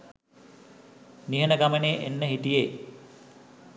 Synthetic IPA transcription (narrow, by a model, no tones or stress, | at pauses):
niɦənəɡaməneːʔḛnːəɦit̪ije